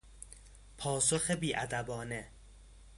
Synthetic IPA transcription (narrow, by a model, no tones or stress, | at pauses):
pʰɒːsoxebiːʔæd̪æbɒːne